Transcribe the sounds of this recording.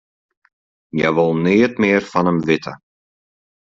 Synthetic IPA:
jɛɣvoːlneːjɪt̪mɪɛɾ̥fanamvɪːt̪a

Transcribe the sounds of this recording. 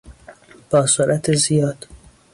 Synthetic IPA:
b̥ɒːsoɾʔæt̪ʰezijɒːd̪̥

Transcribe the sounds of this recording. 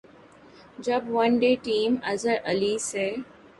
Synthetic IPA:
d͡ʒɐbʋɐ̃nɖeːʈĩːmɛ̰zəɾʔɐliːseː

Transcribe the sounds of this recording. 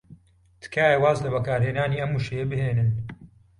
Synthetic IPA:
t̪ʰɨ̥kʰaːjɐwaːzlɐbɐkaːɾheːnaːniːʔɐmːuːʃejebɨheːnɨn

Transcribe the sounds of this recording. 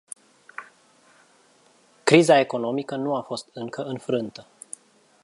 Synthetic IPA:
kɾizae̞ko̞no̞mikənuafo̞st̪ɨŋkəʔɨnfɾɨnt̪ə

